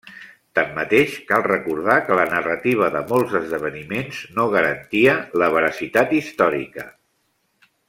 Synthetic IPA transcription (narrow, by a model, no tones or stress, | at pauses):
t̪amːət̪eʃkalˠrəkuɾð̞akələnərət̪iβ̞əðəmolˠzəzðəβ̞ənimenznoɣ̞əɾənt̪iələβ̞əɾəsit̪at̪ist̪ɔɾḭkə